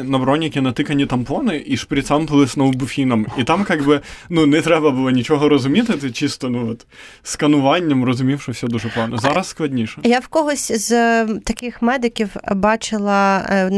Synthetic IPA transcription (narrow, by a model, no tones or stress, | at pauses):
nɐbɾɔnʲːikʲɪnɐt̪ɪkɐnʲit̪ɐmplˠɔnɪʔiʂpɾʲɪt̪sɑmpɨlˠɪsnɔʋbʊfʲinɐmit̪ɑmkɑɡbɪnunɛt̪ɾɛbɐbɨlˠɔnʲit͡ʃɔɦɔɾɔzʊmʲit̪ɪt̪ɪt͡ʃist̪ɔnuɔt̪ | skɐnʊʋɑnʲːɐmrɔzʊmʲiwʃɔfsʲɔd̪uʐɛplˠɑnɐzɑɾɐssklˠɐdʲnʲiʃɛjawkɔɦɔsʲzt̪ɐkɪxmɛd̪ɪkʲiwbɑt͡ʃɪlˠɐ